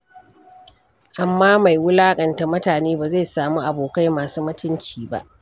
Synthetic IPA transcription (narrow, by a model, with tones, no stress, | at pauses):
ʔa˨mːaː˦ma˨jwʊ˦laː˦kʼɐ˨nta˨mʊ˦taː˨neː˦baː˨za˦˨jsaː˨muː˦ʔa˨boː˨ka˦jmaː˨suː˦mʊ˦tʊ˦nt͡ʃiː˨ba̰˦ʔ